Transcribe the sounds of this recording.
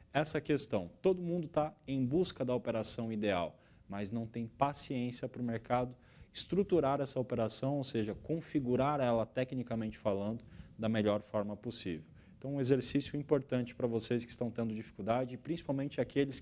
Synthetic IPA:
ɛsɐkest̪ɐ̃w̃t̪od̪ʊmũnd̪ʊt̪aẽj̃buskɐd̪ɐopeɾasɐ̃w̃id̪ea̰w | mɐznɐ̃w̃t̪ẽj̃pasiẽsiɐpɾʊmeɾkad̪ʊ | ɪst̪ɾut̪uɾaɾɛsɐopeɾasɐ̃w̃owseʒɐkõfiɡuɾaɾɛlɐt̪ɛknikɐmẽnt͡ʃɪ̥falɐ̃nd̪ʊd̪ɐmeʎɔɾfɔɾmɐposivew̃t̪ɐ̃w̃ũezeɾsisjʊĩpoɾt̪ɐ̃nt͡ʃɪ̥pɾɐvoseskɪ̥st̪ɐ̃w̃t̪ẽnd̪ʊd͡ʒifi̥kud̪ad͡ʒɪːpɾĩsi̥pawmẽnt͡ʃɪakelɪs

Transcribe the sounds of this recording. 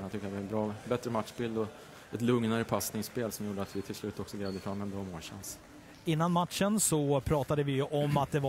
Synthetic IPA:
nat̪ʏkːəɾat̪ɛbɾɑːbɛt̪ɾəmat̪ʂbɪld̪ɔ | ɛt̪lɵŋnaɾəpʰasnɪŋspeːlsɔmjuːɖəat̪vɪt̪ʰɪlslʉ̟ːt̪ɔksɔɡlɛːvd̪əfɾamːɛnb̪ɾɔːmoːɕa̰ns | ɪnːanmat̪ʂənsɔpʰɾɑːt̪ad̪əvɪjɵʔɔmːat̪̚d̪ɛva

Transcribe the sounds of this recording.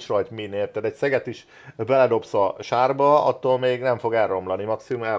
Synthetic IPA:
ʃrɒjt̪mineːrt̪aːt̪ɛcsɛɡɛt̪iʃ | bɛlɛd̪o̞psɒʃaːrbɒɒ̰t̪ːoːlmeːɡnɛɱfo̞ɡɛlro̞mlɒnimɒksimumɛ

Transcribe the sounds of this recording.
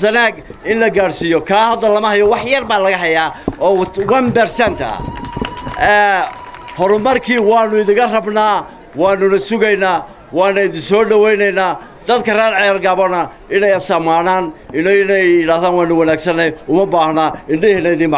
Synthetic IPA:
sɐnaːɡ | ɪnlɐɡaːɽsijɔkʰaːɦɐd̪ːɐlɐmɐhɐjɔwɑħjɐrbaːlɐɣɐɦɐjaːɔːwɐnbɛrsɛnt̪ʰɐ̰ | ɛː | hɔɾʊmɐrkʰiːwɑːnʊɪðɪŋkʰɐrɐbnaː | wɑːnʊnɐsʊɣɛjnaː | wɑːnɐɪðɪnsɔːɖɐwɛjnɛjnaː | d̪̥ɐd̪kʰɐraːɾʕɑjarɡaβɔnɐ | ɪnɛjɐsɐmaːnaːnɪnnɛjɪɽaːhðaːnwɑːnʊwɐnaːɡsɐnɛjʊmɐbaːhnaːɪɳɖɪhinɐɪðɪnma

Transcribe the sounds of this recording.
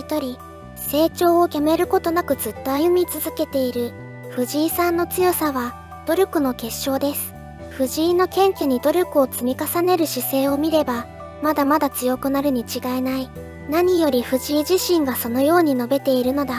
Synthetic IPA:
it̪o̞ɾʲi | se̞ːt͡ɕo̞ːokʲame̞ɾɯ̟ko̞t̪o̞nakɯ̟zɨt̪ːo̞ajɯ̟mʲit͡sɨzɨke̞t̪e̞iɾɯ̟ | ɸɯ̟ʑiːsãnːo̞t͡sɨjosaβa | d̪̥o̞ɾʲokɯ̟no̞ke̞ɕːo̞ːd̪e̞sɨ̥ | ɸɯ̟ʑiːnːo̞kẽ̞ŋkʲeɲ̟id̪o̞ɾʲokɯ̟o̞t͡sɨmʲikasane̞ɾɯ̟ɕise̞ːo̞mʲiɾe̞ba | mad̪amad̪at͡sɨjo̞kɯ̟naɾɯ̟ɲ̟it͡ɕiɡaenai | naɲ̟ijo̞ɾʲiɸɯ̟ʑiːʑiɕĩŋɡaso̞no̞jo̞ːɲ̟ino̞be̞t̪e̞iɾɯ̟no̞d̪a

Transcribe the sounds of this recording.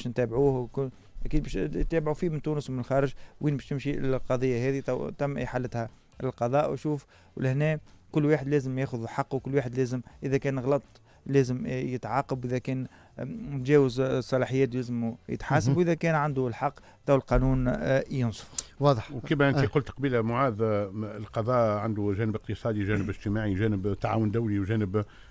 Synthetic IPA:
bʃnt̪æːbʕuːhwku | ʔækiːd̪̚bɛːʃt̪æːbʕufiːmɪnt̪uːnəsmɪnɪlxɑːɾɪʒwiːnbɛːʃj̪ɪmʃilqɑðˤəjːahɛːðit̪t̪æmːʔḭħalːət̪hɛ | ɪlqɑðˤɑːʔwʃuːf | wlɪhnɛːkʊlːwaːħəd̪lɛːzəmjɛːxʊðlħɑqːwkʊlːwaːħəd̪lɛːzəmʔɪðækɛːnɣɑlɑt̪ˤ | lɛːzəmjət̪ʕɑːqɑbwʔɪðækɛːn | t̪ʒɛːwəzsˤːɑlɑːħəjːɛːt̪̬lɛːzɪmujɪ̰t̪ħaːsabwʔɪðækɛːnʕand̪ulħɑqː | t̪æwɪlqɑːnuːnjʊnsˤfwɑːðˤħwkibæʔɪntiqʊlt̪qɑbiːlæmʊʕaːðɪlqɑðˤɑːʔʕand̪uʒæːnɪbɪqt̪əsˤɑːd̪iʒæːnɪbɪʒt̪əmaːʕiʒæːnɪbt̪ːaʕaːwʊnd̪æwliwʒæːnɪb

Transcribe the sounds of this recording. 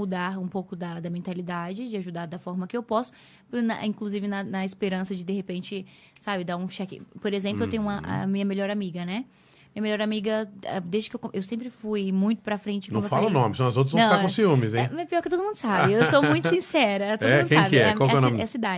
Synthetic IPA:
ud̪aɾũpowkʊd̪ɐd̪ɐmẽnt̪alid̪ad͡ʒɪd͡ʒɪaʒud̪aɾd̪ɐfɔɾmɐkɪewpɔsʊ̥ | pnɐ̰ĩkluzivɪnɐnɐespeɾɐ̃sɐd͡ʒɪd̪eɦepẽnt͡ʃɪ | sabɪd̪aɾũʃɛkɪ̰poɾezẽplʊewt̪ẽɲ̃ũmɐʔɐ̰mĩɲɐmeʎɔɾamiɡɐnɛ | mĩɲɐmelʎɔɾamiɡɐɛd̪ezd͡ʒɪkɪewkʔewsẽmpɾɪfujmũj̃t̪ʊ̥pɾɐfɾẽnt͡ʃɪnɐ̃falɐ̃nõmɪsɐ̃w̃ɐzowt̪̬ɾzvñw̃kakõsfiũmɪzẽɛpiɔɾkɪt̪od̪ʊumũd̪ʊsabɪewsowũj̃t̪ʊsĩsɛɾɐt̪od̪ɛmũdkẽsabɪɪɛkawkɛõmɛsid̪ad͡ʒɪ

